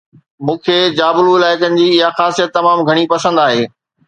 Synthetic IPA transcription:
mũːkʰeːd͡ʑaːbluɪlaːɪkənɪ̆d͡ʑiːɪɦaxaːsijət̪ːɐmaːmɡʱɐɽ̃ipɐsə̃nd̪aːɦeː

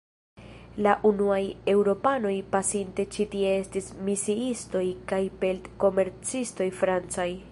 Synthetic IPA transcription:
laʔunuaje̞wɾo̞pano̞jpasinte̞t͡ʃitie̞e̞stismisiisto̞jkajpe̞ltko̞me̞ɾt͡sisto̞jfɾant͡saj

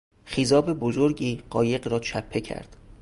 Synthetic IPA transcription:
χizɒːbe̞bozoɾɟiːɢɒːje̞ɢɾɒːt͡ʃʰæpʰːe̞cʰæ̰ɾd̪̥

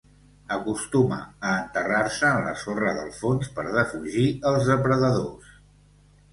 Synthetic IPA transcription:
əkust̪umə̰əːnt̪əraɾsəːnlə̰sorəðə̰lˠfonspə̰ɾðəfuʒiəlˠzðəpɾəðəðos

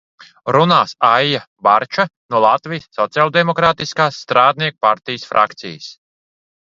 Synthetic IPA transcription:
ɾunaːsajja | baɾt͡ʃanuɔlˠat̪vijsːɔt̪sialˠd̪ɛmɔkɾaːt̪iskaːsːt̪ɾaːd̪niɛk̚paɾt̪ijsfɾʔa̰kt̪sḭjəs

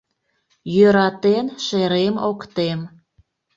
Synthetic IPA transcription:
jøɾɑt̪enʃeɾemokt̪em

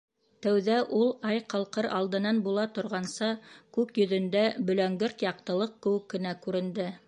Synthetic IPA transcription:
t̪æwðæʔulˠɑjqɑlˠqɤɾɑ̰lˠd̪ɤ̆nɑnbulˠɑt̪ŏɾʁɑnsɑkʉkjɵ̆ðɵ̆nd̪æbɵ̆læŋɡɘɾt̪jɑq̚t̪ɤ̆lˠɤq̚kɵ̆wɘkːɘ̆nækʉɾɘ̆nd̪ɘ

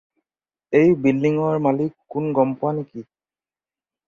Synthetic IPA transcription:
ejbilːiŋɔɹmalikːʊnɡɔmpʊaneki

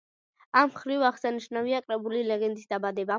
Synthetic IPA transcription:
amχɾivaʁsaniʃnaviakʼɾɛbulilɛɡɛnd̪isd̪abad̪ɛba

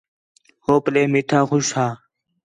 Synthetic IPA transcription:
hoːpleːmiʈʰaːxʊʃhaː

